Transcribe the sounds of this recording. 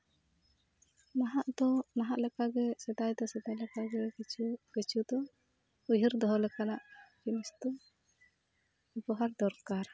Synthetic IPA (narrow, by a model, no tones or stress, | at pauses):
naɦaʔd̪ɔnaɦaʔlɛkaɡɛsɛd̪ajd̪ɔsɛd̪ajlɛkaɡɛt͡ʃʰukət͡ʃʰud̪ɔ | ujɦiɾd̪ɔɦɔlɛkanaʔkimist̪ɔ | ubɔɦaɾd̪ɔɾkaɾ